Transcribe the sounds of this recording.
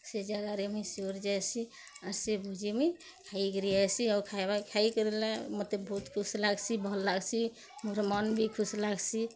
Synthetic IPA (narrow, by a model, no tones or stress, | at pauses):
sed͡ʒaɡaɾemisoɾd͡ʒajsi | aɾsebʱud͡ʒime | kʰaikəɾiasiɔkʰaebakʰaikəɾelamət̪lebbʱuːt̪kʰuslaɡsʰibʱəlːaɡsʰi | muɾmanbʱikʰuslaɡsʰi